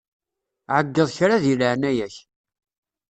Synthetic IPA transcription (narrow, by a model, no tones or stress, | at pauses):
ʕəɡːəðˤçɾaðjəlʕnæjæç